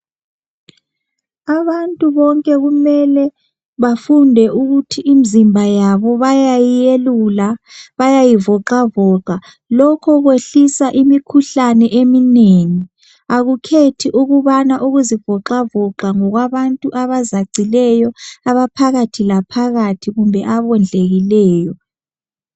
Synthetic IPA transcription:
aβantʼuβɔŋkʼɛɣumɛlɛ | βafundʱɛʔuɣutʰiʔːmizimbʱajaβɔβajajijelulaβajajivɔǃavɔǁa | lɔkʰɔɣweɬisaʔimikʰuɬanɛʔemineŋi | aɣukʰetʰiʔuɣuβanaʔuɣuzivɔǁavɔǃaŋɔɣwaβantʼuʔaβazaɡ͡ǀʱilɛjɔaβapʰaɣatʰilapʰaɣatʰiɣumbʱɛʔaβɔnd͡ɮʱeɣilɛːjɔ

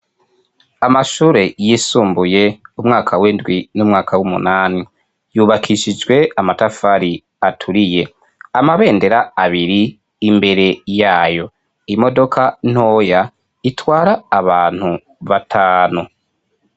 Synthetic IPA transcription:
amaʃuːɾe̞jisuːmbuje̞umŋaːkʰaweːndɡwinumŋaːkʰawumṵnaːni | juːβakʰiʃid͡ʒɡwe̞amatafaɾi | atʰuɾije̞ | amaβe̞ːnde̞ɾaaβiɾi | imbe̞ɾe̞jaːjo̞ | imo̞do̞kʰan̥o̞ːja | itwaːɾaːβaːn̥hu | βatʰaːnu

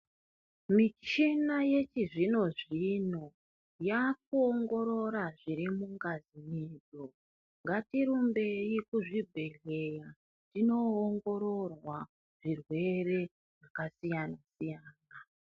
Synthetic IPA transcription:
mit͡ʃinaje̞t͡ʃiʐino̞ʐino̞ | jak̚uoŋɡo̞ɾo̞ɾaʐiɾimuŋɡazimiːd͡zo | ŋɡatiɾumbe̞ikuʐibʱe̞ɮe̞ja | tino̞ːŋɡo̞ɾo̞rwa | ʐ̥irwe̞re̞ | ʐakasijanasijaːna

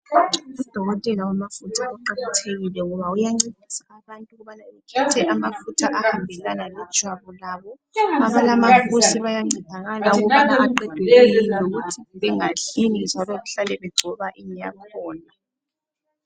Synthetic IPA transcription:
ud̥ʱɔɣɔtʼɛlawamafutʰaʔuǃaǃatʰeɣilɛŋɔβaujaŋ͡ǀid̥ʱisaːβantʼuɣuβanaukʰɛtʰɛʔamafutʰaʔahambʱɛlanalɛd̥ʒ̥ʱwaβɔlaːβɔ | aβalamakʰusiβajaŋ͡ǀid̥ʱaɣalaŋɔanaβaǃɛd̥ʱɛlejiniloɣutʰiβɛŋaɬinind͡ʒʱalɔɣuɬalɛβɛɡ͡ǀʱɔβaʔiɲɛja̰kʰɔːna

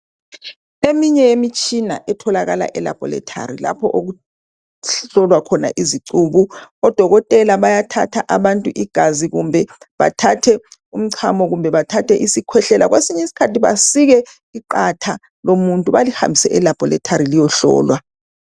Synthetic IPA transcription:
emiɲɛjemit͡ʃʰʼina̰ʔɛtʰɔlaɣala̰ʔɛla̰b̥ʱɔ̰lɛ̰tʰa̰rila̰pʰɔ̰ʔoɣu | ɬɔlwakʰɔna̰ʔiziǀuβuɔd̥ʱɔɣɔtʼɛlaβajatʰatʰaʔaβantʼuʔiɡ̥ʱaziɣṵmbʱɛβa̰tʰatʰɛum̩ǀʰamɔɣumbʱɛβatʰatʰɛʔisikʰwɛɬɛlaɣwesiɲɛisi̥kʰatʰiβasiɣɛ | iǃatʰa | lomuntʼuβaliha̰mbʱisɛʔɛlab̥ʱɔlɛ̰tʰaɾilijɔɬɔ̰ːlwa

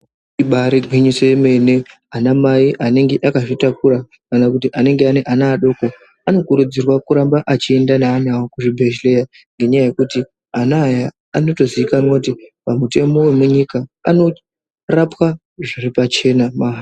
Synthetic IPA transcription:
iɓaɾiɡʱwiɲiseme̞ne̞ | anamaiʔane̞ŋɡe̞ʔakaʐitakuɾa | kanakutiʔane̞ŋɡe̞ane̞ʔanaːɗo̞ko̞ | ano̞kuɾud͡zirwakuɾambaʔat͡ʃie̞ndanaːnawokuʐibʱe̞ʃle̞ja | ŋɡe̞ɲajaje̞kuti | anaːjaː | no̞to̞ziikanwakutipamute̞mo̞we̞muɲikaano̞ | rapwa | ʐiripat͡ʃe̞namaɦa

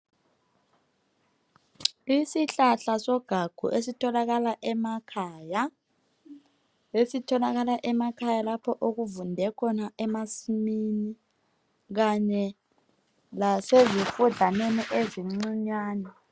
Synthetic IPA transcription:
isiɬaɬasɔɡ̥ʱaɡ̥ʱṵʔesitʰɔlaɣalaʔɛmakʰaːja | esitʰɔlaɣalaʔɛmakʰajalapʰɔʔoɣuvundʱɛkʰɔnaʔɛmasimini | ɣaɲɛ | lasezifuɮʱaneniʔeziŋ͡ǀiɲwaːnɛ

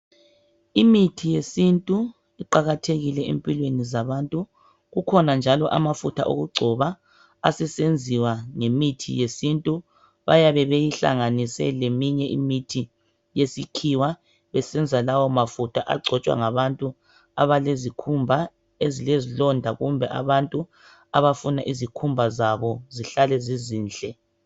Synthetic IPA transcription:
imitʰijesintʼu | iǃaɣatʰeɣilɛḛmpʼilwenizaβantʼu | ɣukʰɔnand͡ʒʱalɔʔa̰mafutʰa̰ʔo̰ɣuɡ͡ǀʱɔβaː | sɛsend͡zʱiwaŋemitʰḭjesintʼu | βa̰jaβɛβejiɬa̰ŋanisɛ̰lemiɲɛʔimitʰi | jesikʰiwa | βɛsɛnd͡zʱalawɔmafutʰaʔa̰ɡ͡ǀʱɔt͡ʃʼwa̰ŋaβantʼu | a̰βalezikʰumbʱa | ezilezilɔndʱaɣumbʱɛʔa̰βantʼu | aβafunaʔizikʰumbʱazaβɔziɬalɛziziːnɬʼɛ

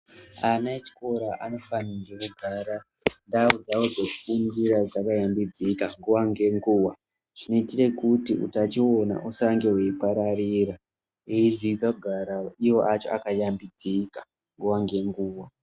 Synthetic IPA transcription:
anaet͡ʃi̥ko̞ɾaʔano̞fanaŋɡekuɡʱaːɾa | ndaud͡zawo̞d͡zoku̥fundiɾad͡zakajambid͡zikaŋɡuwaŋɡe̞ŋɡuːwa | ʐ̥ino̞itire̞kutiṵtat͡ʃio̞na̰ʔusaŋɡe̞we̞ipaɾariɾa | eid͡ziid͡zakuɡʱaɾaiwo̞ʔat͡ʃo̰a̰kajambid͡zikḁ | ŋɡuwaŋɡe̞ŋɡuːwa

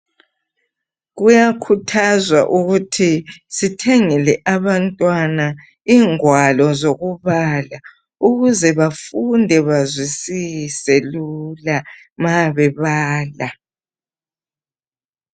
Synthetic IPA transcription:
ɣujakʰutʰazwaʔuɣutʰisitʰɛŋɛlɛʔaβantʼwana | iːŋwalɔzoɣuβala | uɣuzɛβafundʱɛβazwisisɛlula | maβɛβaːla

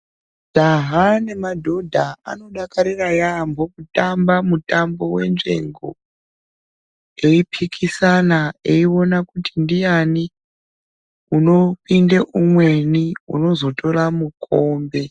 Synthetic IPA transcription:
d̥ʱaɦane̞madʱo̞dʱaa̰no̞ɗakaɾirajambʱokutambamutambo̞we̞̰nʐe̞̰ŋɡo̞̰ | eipʰikʰisanaeio̞nakutindijani | uno̞pindeʔumwe̞niṵno̞zo̞to̞ramukʰoːmbe̞

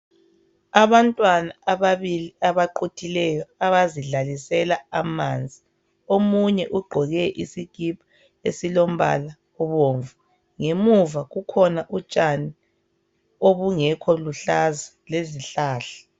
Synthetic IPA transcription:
aβantʼwanaːβaβiliʔaβaǃutʰilɛjɔaβaziɮalisɛlaamaːnd͡zʱi | omuɲɛʔuɡ͡ǃʱɔɣɛʔḭsiɡ̥ʱip̚ʰḁ | ḛsilom̩βa̰la | ɔβoːɱvu | ŋemuvaɣukʰɔnaʔut͡ʃʼani | oβuŋɛkʰɔluɬazaleziɬaːɬḁ

